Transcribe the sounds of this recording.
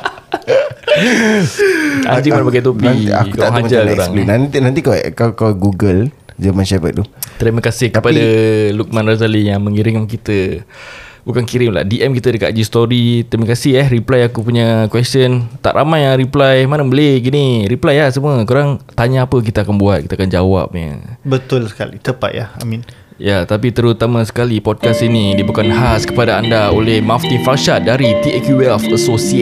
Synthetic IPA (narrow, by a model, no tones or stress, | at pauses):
a̰ɲd͡ʒɪŋmanapakajt̪̬opia̰kkuk̪aŋad͡ʒaakuɾaŋnant̪inant̪ikaɛ̰kakaɛɡuɡəl | d͡ʒəmanʃabə̰t̪̚t̪ut̪ɾimakasɪhkəpadaluk̚mãnrazalijaŋmə̃ŋiɾɪŋkankit̪ə | bukankiɾɪŋla̰ʔdiʔɛmkit̪ədəka̰t̪̚d͡ʒist̪oɾit̪ɾimakasiahɾiplajakupuɲakwɛstənt̪a̰ʔɾʔamãjaŋɾiplajmanəbəleɡiniɾiplajahsəmuəkuɾaŋt̪aɲaːpək̬it̪aakanbuat̪̚kit̪akand͡ʒawa̰p̚ɲa̰bət̪ʊlsə̥ka̰lḭt̪əpa̰t̪̚ja̰ha̰mĩn | jat̪ap̬it̪əɾut̪amãsə̥kalipɔd̚kasinidibukanɦaskəpadaandao̰lɛhmaft̪infalʃat̪̚daɾit̪iɛkjuɛlfəsosie